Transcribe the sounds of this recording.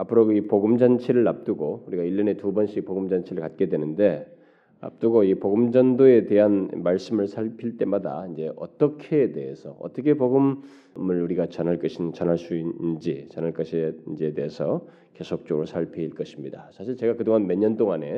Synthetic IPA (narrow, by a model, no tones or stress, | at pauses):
apʰɯɾoipoɡɯmd͡ʑant͡ɕʰeɾɯɭːap̚t͈uɡouɾiɡaiʎːʌne̞tubʌnɕʰik̚poɡɯmd͡ʑant͡ɕʰiɾɯɭkat̚k͈e̞dwe̞nɯnde̞ | a̰p̚t͈uɡoipoɡɯmd͡ʑʌndoe̞te̞ɦanmaɭs͈ɯmɯɭsʰaɭpʰiɭt͈e̞mada̰ind͡ʑe̞ʔʌ̰t͈ʌkʰeːde̞esʰʌʌ̰t͈ʌkʰe̞poɡɯm | mɯɭuɾiɡat͡ɕʌnɦaɭk͈ʌɕʰint͡ɕʌnɦaɭs͈uinnd͡ʑit͡ɕʌnaɭk͈ʌɕʰeind͡ʑiede̞ɦesʰʌ | ke̞sʰok̚t͡ɕ͈oɡɾɯɭsʰaɭpʰeiɭk͈ʌɕʰimɲida̰sʰaɕʰiɭt͡ɕe̞ɡakɯdoŋanmeɲʌnt͈oŋane̞